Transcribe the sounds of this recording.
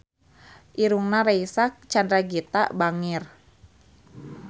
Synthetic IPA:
ʔiɾuŋnaɾaisak̚t͡ʃandɾaɡit̪a̰ʔbaŋir

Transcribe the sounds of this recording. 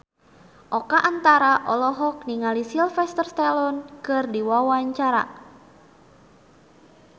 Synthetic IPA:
ʔɔkaʔant̪aɾaʔɔlɔɦɔk̚niŋalisilfɛst̪ərst̪alɔnkɨrdiwawaɲt͡ʃaɾa̰

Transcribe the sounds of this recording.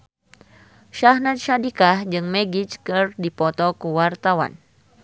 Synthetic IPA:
ʃahnat̪̚ʃadikahd͡ʒɨŋmɛɡit͡ʃkɨrdipɔt̪ɔkuwart̪awa̰n

